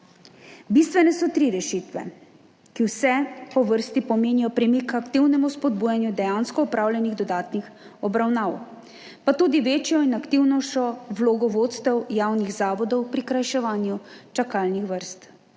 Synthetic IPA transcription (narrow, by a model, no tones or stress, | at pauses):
bist̪ʋɛnɛsɔt̪ɾiɾɛʃit̪ʋɛ̰ | kiwsɛpɔʋəɾst̪ipɔmeːnijɔpɾɛmikakt̪iwnɛmuspɔd̪̚buːjanjud̪ɛjanskɔɔpɾaːwlʲjʲɛniɣd̪ɔd̪aːt̪nix | ɔbɾawnaːw | pat̪uːd̪iʋeːt͡ʃjɔinakt̪iwnɔʃɔʋloɡɔʋoːt̪st̪ɛwjaːwniɣzaːʋɔd̪ɔwpɾikɾajʃɛʋaːnjut͡ʃakalnixʋəɾst̪